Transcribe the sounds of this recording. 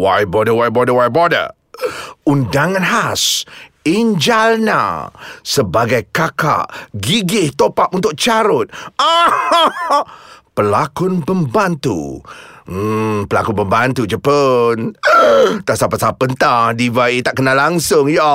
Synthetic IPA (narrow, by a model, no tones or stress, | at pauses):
wajbodəwajbɔdəwajbodə̰ | undaŋanɦas | iɲd͡ʒalna̰səbaɡajkaka̰ʔɡiɡɪht̪opaʔ̚unt̪ʊk̚t͡ʃaɾʊt̪̚a | pəlakʊnbəmbant̪ṵ | pəla̰kʊnbəmbant̪ud͡ʒəpən | t̪aʔsapasapənt̪adivait̪aʔkənalaŋsʊŋjɔ